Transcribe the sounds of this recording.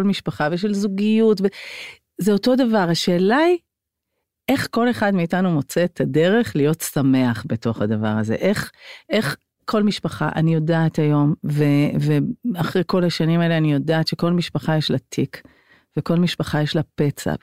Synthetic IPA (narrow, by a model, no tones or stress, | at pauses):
olmiʃpaχaveʃ̬elzuɡijutve | zeo̞to̞davaʁhaʃe̞ːlai | ʔe̞χko̞leχadmiːtanumo̞t͡setʰade̞ʁe̞χlijo̞tsame̞aχbeto̞χhadava̰ʁaze̞̰ʔe̞χʔe̞χ | kʰo̞lmiʃpaχa̰ʔa̰nijo̞daːthajo̞mveveaχʁejko̞laʃanimaeleanijo̞daːtʃe̞ko̞lmiʃpaχajeʃlatʰik | ve̞ko̞lmiʃpaχajeʃlapet͡sa̰